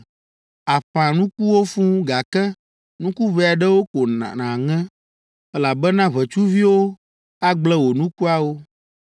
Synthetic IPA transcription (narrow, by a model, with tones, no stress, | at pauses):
a˨ɸã˨nũ˦ku˦wo˦fũ˦ɡa˨kɛ˦ | nũ˦ku˦βɛ˨a˨ɖɛ˦wo˦ko˨nã̰˨nã˨ŋɛ̃˦ | ɛ˦la˨bɛ˦nã˦βɛ˨t͡ʃu˦vi˦wo˦ | a˦ɡ͡blɛ˦wo˨nũ˦ku˦a˦wo˦